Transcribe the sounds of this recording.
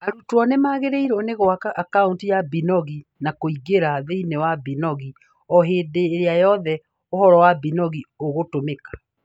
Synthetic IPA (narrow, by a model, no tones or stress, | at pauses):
aɾutwɔnemaːɣeɾeiɾɔneɣoaakauntijabinɔɣinakoiɡeɾaðeinewabinɔɣi | ɔɦeːdeːɾeajɔðɛ | ohɔɾɔwabinɔɣioɣotomekḁ